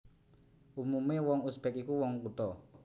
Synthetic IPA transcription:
ʔumumewɔŋusb̥ɛkikuwɔŋkut̪ɔ

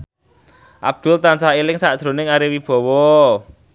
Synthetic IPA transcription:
ʔa̰b̚d̪̥ʊ̤lt̪ansaelɪŋsaʔd̥ʒ̥ɾo̤nɪŋaɾiwib̥ɔ̤wɔ

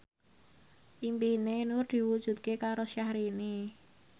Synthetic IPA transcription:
ʔimpinenʊrd̪̥i̤wud̥ʒ̥ṳt̪̚kekaɾoʃjahɾine

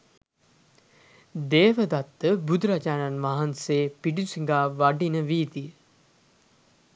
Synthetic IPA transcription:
d̪eːʋəd̪at̪ːəbud̪ɾad͡ʒaːnanmaɦanseːpiɖusiŋɡaːʋaɖinəʋiːt̪iə

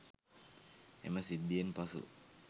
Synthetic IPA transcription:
ɛ̰məsid̪iənpasṵ

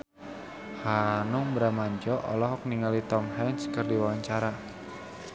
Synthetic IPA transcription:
hanʊŋbəɾamaɲd͡ʒɔʔɔlɔɦɔk̚niŋalit̪ɔmɦɛnskɨrdiwawaɲt͡ʃaɾa

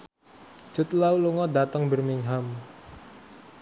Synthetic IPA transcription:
d͡ʒət̪lauluŋɔdat̪əŋbərmɪŋɦam

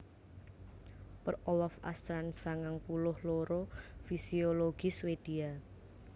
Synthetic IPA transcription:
pərowɔfa̰st̪ɾansaŋaŋpulʊhloɾofisioloɡ̥iswed̪̥ia

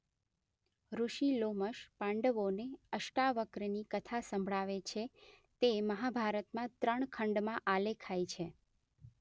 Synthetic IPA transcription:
ɾuʃiloməʃpãɳɖəʋoneəʃʈaʋəkɾnikət̪ʰasə̃mbʱɭaʋet͡ʃʰet̪eməɦabʱaɾət̪mãt̪ɾəɳkʰəɳɖmãʔalekʰajt͡ʃʰe

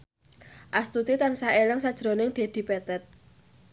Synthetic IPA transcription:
ʔast̪ut̪it̪ansaʔeləŋsad̥ʒ̥ɾo̤nɪŋd̪̥e̤d̪̥i̤pɛt̪ɛt̪̚

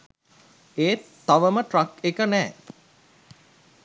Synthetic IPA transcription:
eːt̪ːaʋəməʈrɐkekənɛː

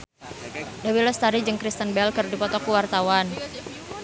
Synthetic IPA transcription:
dawilɔst̪aɾid͡ʒəŋkɾist̪ənbɛlkɨrdipɔt̪ɔkuwart̪awan

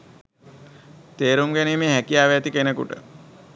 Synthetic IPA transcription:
t̪eːɾumɡæniːmeːɦækijaːʋeːt̪ikenəkṵʈə̰

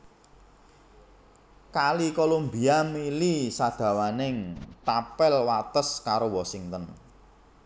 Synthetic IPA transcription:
kalikolombi̤amilisad̪̥ä̤wanɪŋt̪apɛlwat̪əskaɾowɔsiŋt̪ən

